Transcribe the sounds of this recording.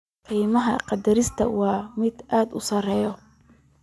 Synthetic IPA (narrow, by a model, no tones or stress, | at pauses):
kʰijmɐɦɐ̰qɑd̪ɐɾɪst̪ʰɐ̰wɑːmɪd̪ʔaːd̪ʊ̰sɐrɛːjɔ